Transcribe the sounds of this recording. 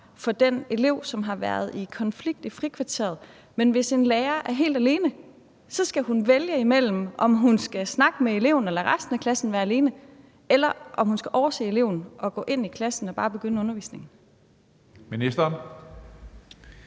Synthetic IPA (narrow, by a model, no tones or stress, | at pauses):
fɒ̽d̥ene̝le̝ʊ̰sɒ̽mɦɑ̈ʋæɐð̞ˠikʰɒ̽nfliɡ̥̚d̥ifʁikʰʋɑ̈t͡sʰe̝̰ɐð̩ˠ | menʋe̝se̝nleːɐʔæɐɦe̝̰ːld̥æle̝ːnə | sɒ̽sɡ̥æɦunʋeljəimel̰m̩ʔɒ̽mɦunsɡ̥æsnɑ̈ɡ̥əmee̝le̝ʊn̩elæʁasd̥n̩ækʰlæsn̩ʋæːɐæle̝ːnə | elɐʔɒ̽mhunsɡ̥æʔɒʊɐsḛːe̝le̝ʊn̩ɒ̽ɡ̥ɔ̰̽ːʔe̝n̰ikʰlæsn̩ɒ̽b̥ɑ̈ːb̥e̝ɡ̥ønəɔ̽nɐʋḭːsne̝ŋn̩ | minisd̥ɐːn